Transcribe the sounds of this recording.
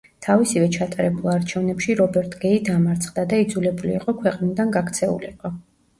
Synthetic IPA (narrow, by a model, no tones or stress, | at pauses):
t̪ʰavisivɛt͡ʃʰat̪ʼaɾɛbulˠaɾt͡ʃʰɛvnɛpʃiɾɔbɛɾt̪ʰɡ̥ɛid̪amaɾt̪sʰχd̪ad̪aid̪zulɛbuliːqʼɔkʰwɛqʼnid̪anɡakʰt̪sʰɛṵlḭqʼɔ